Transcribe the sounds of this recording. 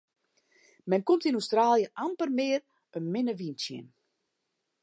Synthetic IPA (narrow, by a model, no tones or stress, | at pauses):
mɛnkomtinustraːljəʔampərmɪːr | ənmɪnəʋinsjə̰n